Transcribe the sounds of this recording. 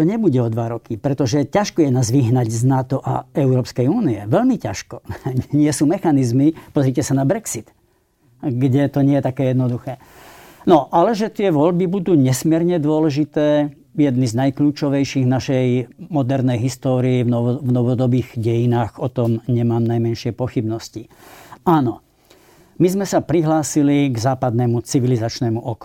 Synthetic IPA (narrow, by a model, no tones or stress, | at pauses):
t̪ɔɲɛbuɟɛɔd̪ʋaɾɔkipɾɛt̪ɔʒɛcaʃkɔjɛnaːzʋiɦnaɟznat̪ɔʔa̰ɛʊɾɔːpskɛjuːniɛʋɛʎmicaʃkɔɲɪɛsuːmɛxanizmipɔzɾicɛsanabɾɛksit̪ | ɡɟɛt̪ɔɲɪɛjɛt̪akɛːjɛd̪nɔd̪uxɛː | nɔʔalɛʒɛt̪ɪɛʋɔʎbibud̪uːɲɛsmɪɛɾɲɛd̪ʊɔlɛʒit̪ɛː | jɛd̪niznajkluːt͡ʃɔʋɛjʃiɣnaʃɛjmɔd̪ɛɾnɛjɦist̪ɔːɾiːvnɔvnɔʋɔd̪ɔbiːɣɟɛjinaːɣɔt̪ɔmɲɛmaːmnajmɛnʃɪɛpɔxibnɔsciaːnɔ | mizmɛsapɾiɦlaːsiliɡzaːpad̪nɛmut͡siʋilizat͡ʃnɛːmuʔɔk